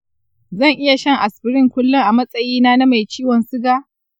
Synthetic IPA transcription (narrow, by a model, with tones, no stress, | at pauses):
zɐ˦˨ŋʔɪ˦ja˨ʃɐ˦ŋʔa˨sɸɪ˦ɾɪ˦ŋkʷʊ˦lːʊ˦ŋʔa˨mɐ˦sʼɐ˨jiː˦naː˦na˦ma˨jt͡ʃiː˦wɔ˨nsʊ˦ɡaː˦